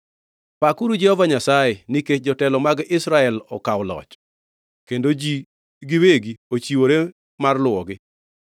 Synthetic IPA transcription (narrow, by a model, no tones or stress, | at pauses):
pakuɾud͡ʒɛhɔvaɲasajenɪket͡ʃd͡ʒɔtɛlɔmaɡɪsɾaɛlɔ̰kawlɔ̰t͡ʃ | kendod͡ʒi | ɡɪweɡiot͡ʃiwoɾe | marlʊwɔɡɪ